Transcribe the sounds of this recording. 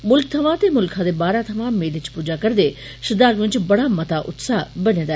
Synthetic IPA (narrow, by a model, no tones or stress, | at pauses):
mʊlk̚t̪ʰɐʋãt̪emʊlkʰãd̪ebaːɾãt̪ʰɐʋãmeːlɪt͡ʃpuːd͡ʒakɐɾd̪e | ʃɪd̪aːɾʋɪ̃ɲt͡ʃbɐɽamɐt̪aʔʊt̪saːbɐnẽːd̪a